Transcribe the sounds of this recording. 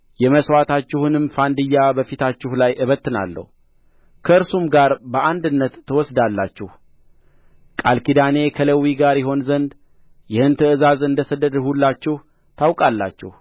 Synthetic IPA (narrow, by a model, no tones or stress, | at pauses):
jɛməswat̪ʰat͡ʃːɪhɨnɨmfand̪ɨjːabəfit̪ʰat͡ʃːɪhlajʔɨβət̪ːɨna̰lːə̰hu | kʰəɨɾsumɡaɾbəʔand̪ɨnːət̪ʰːəwɔsd̪alːat͡ʃːɪh | kʼalkid̪ane̞kʰələwiɡaɾjɪɦo̞nzənd̪ | jɪhɨnt̪ʰəɨzazɨnd̪əsəd̪ːəd̪hulːat͡ʃːɪh | t̪ʰawkʼalːa̰t͡ʃːɪ̰h